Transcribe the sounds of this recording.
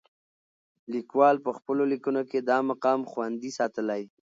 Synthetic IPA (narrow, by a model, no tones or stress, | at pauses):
likwɑlpəxpəlolikunoked̪ɑmaqɑmxwand̪isɑt̪əlaj